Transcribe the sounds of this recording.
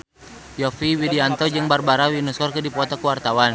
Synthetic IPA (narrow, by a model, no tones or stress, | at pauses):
jɔfiwidiant̪ɔd͡ʒɨŋbarbaɾawinuskɔrkɨdipɔt̪ɔkuwart̪awan